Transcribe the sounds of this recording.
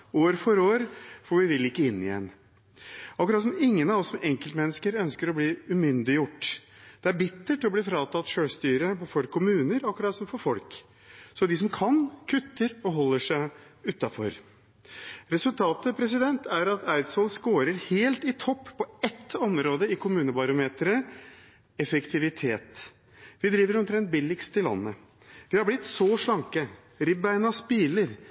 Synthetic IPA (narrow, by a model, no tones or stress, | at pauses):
oːɾfɔɾoːɾfɔʋɪʋɪlɪkːəɪnːɪ̰jɛ̰nː | ɑkɾɑt̪s̬ɔmɪŋːənɑʋɔsːɔmʔɛŋkəlt̪mɛnːəskəɾœnskəɾɔbliːʉmʏnd̪ɪjʊʈːd̪̥ɛæɾbɪt̪ːəʈɪɔbliːfɾɑːt̪ɑt̪ʃøːst̪yːɾəpɔfɔɾkʰʊmʉːnəɾɑkːɾɑt̪sɔmfɔɾfɔlk | sɔd̪ɪsɔmkʰɑnkʰʉt̪ːəɾɔɦɔlːəʂæɪ | ʉːt̪ːɑfɔ̰ɾ | ɾɛsʉlt̪ʰɑːt̪əpʰɾɛs̬ɪd̪ɛnt̪ʰæɾɑt̪ʰæɪt̪sʋɑːlskoːɾəɾheːlt̪ɪt̪ʰɔpːpʰːɔɛt̪ːɔmɾoːd̪əɪkʰʊmʉːnəbɑɾʊmeːt̪ɾə | ɛfəkt̪ʰɪʋɪt̪ʰeːt̪ | ʋɪd̪ɾiːʋəɾɔmt̪ʰɾɛnt̪̚bɪlːɪkst̪ʰːɪlːɑ̰nːə | ʋ̪ɪhɑɾblɪt̪ːsɔʂɭɑŋkə | ɾɪbænɑspiːləɾ